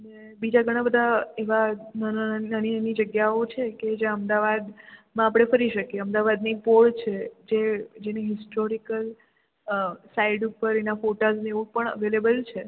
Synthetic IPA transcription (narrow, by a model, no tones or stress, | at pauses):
ənebid͡ʒaɡʱəɽ̃ãbəd̪ʱaeʋanənaniənid͡ʒəɡjaot͡ʃʰeked͡ʒãəmd̪aʋad̪mãapɽ̃efəɾiʃəkjeəmd̪aʋad̪nipoɭt͡ʃʰed͡ʒed͡ʒeneɦɪsʈoɾikəl | saiɖupəɾenafoʈazneʋõpəɳə̰ʋelebəlt͡ʃʰe